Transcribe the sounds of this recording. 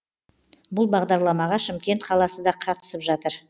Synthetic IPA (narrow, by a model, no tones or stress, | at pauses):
bʊlˠbɑʁd̪ɑɾlˠɑmɑʁɑʃɪmkʲe̞nt̪qʰɑlˠɑsəd̪ɑqʰɑɾt̪ə̥səpʒɑt̪əɾ